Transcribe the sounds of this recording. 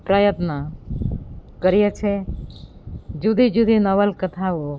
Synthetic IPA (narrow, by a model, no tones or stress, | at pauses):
pɾəjət̪na | kəɾijet͡ʃʰe | d͡ʒud̪id͡ʒud̪inɐʋəlkət̪ʰao